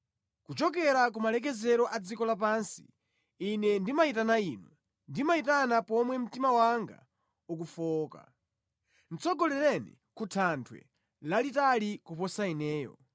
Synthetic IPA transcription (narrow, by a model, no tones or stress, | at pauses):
kut͡ʃɔk̬ɛɾak̬umalɛk̬ɛzɛɾɔʔad͡zikɔlap̬ansi̥ː | nɛndimaitanainwɛ | ndimaitanapɔmwɛm̩timawaŋɡa̰ | uk̬ufɔːka̰ | n̩t͡sʰɔɡɔlɛɾɛnḭ | kutʰantʰwɛ̰ | lalitalikupɔsainɛːjɔ̰